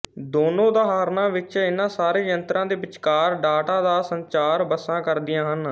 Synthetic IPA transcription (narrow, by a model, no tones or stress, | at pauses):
d̪oːnõːd̪aːɦaːɾnãːʋɪt͡ʃɪnãːsaːɾeːjənt̪ɾãːd̪eːbɪt͡ʃkaːɾɖaːʈaːd̪aːsəɲt͡ʃaːɾbəsãːkəɾd̪ɪjãːɦən